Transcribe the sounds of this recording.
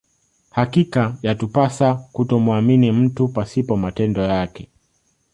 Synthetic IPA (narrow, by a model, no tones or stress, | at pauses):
hakikajatupasakutɔmwaminim̩tupasipɔmatɛndɔjakɛ